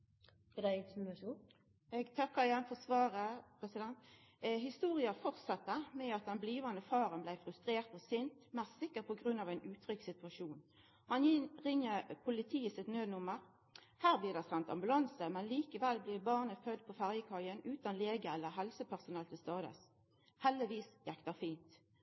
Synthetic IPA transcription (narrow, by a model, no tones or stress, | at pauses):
ɛd̪æɪɪnsɪnʃuː | ɛɡt̪ʰɑkːəɾɪjɛnfɔsʋɑːʁəpʰʁɛsɪd̪ɛnt̪ | ɦɪst̪uːʁɪɑfɔʁt̪sɑt̪ːəmɛɑt̪̚d̪ɛnbliːʋɑnd̪əfɑːʁənblæɪfʁʉst̪ʁeːʁt̪ɔsɪnt̪mɛssɪkːəʁpʰɔɡʁʉnːɑʋæɪnʉːt̪ʰʁʏksɪt̪ʉɑʃuːn | hɑnɪʁɪŋːəpʰʊlɪt̪ʰiːəsɪt̪nøːd̪nʊməʁ | hæːʁblɪːʁd̪æɪsɛnt̪ɑ̰mbʉlɑnsəmɛnliːkəʋɛlblɪːbɑːʁnəfœd̪̚pʰɔfæʁjəkʰɑʏənʉːt̪ɑnleːɡəɛlːəɦɛlsəpʰæʁsʊnɛlt̪ʰɪlst̪ɑːd̪ə̰s | hɛlːəʋiːsjækt̪əfiːnt̪